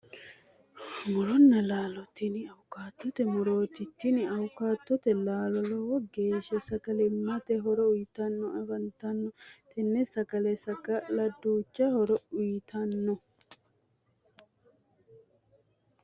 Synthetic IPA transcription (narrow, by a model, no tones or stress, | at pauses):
mɔɾɔnːɐlaːlɔt̪ːɪnɪɐwʊkaːt̪ːɔt̪ɛmʊɾoːt̪ɪt̪ːɪnɪɐwʊkaːt̪ːɔt̪ɛlaːlɔlɔwɔɡeːʃɛsɐkɐlɛmɐt̪ɛɦɔɾɔʊjɪt̪ɐnːɔɐbɐnt̪ɐnːɔt̪ʰɛnːɛsɐkɐlɛsɐkɐlɐd̪ːuːt͡ʃːɐhɔɾɔʊjɪt̪ʰɐnːɔ